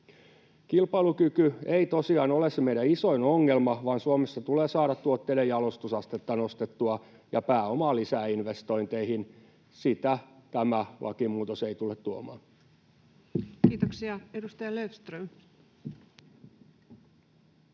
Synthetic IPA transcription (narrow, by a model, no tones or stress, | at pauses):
kilpɑilukykyeit̪osiɑːnolesemeiɾæisoinoŋːelmɑʋɑːnsuomesːɑt̪uleːsɑːɾɑt̪tuot̪ːeilejɑlost̪usɑst̪et̪ːɑnost̪et̪ːuɑ | jɑpæːomɑlisæːinʋest̪o̞int̪eihin | sit̪æt̪æmælʔɑ̰kimuːt̪oseit̪ulːet̪t̪uomɑːn | kiːt̪oksiɑedust̪ɑjɑlefst̪røm